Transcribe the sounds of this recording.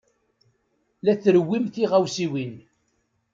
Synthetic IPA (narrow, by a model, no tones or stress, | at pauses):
læθɾəwːimθiʁæwsiwin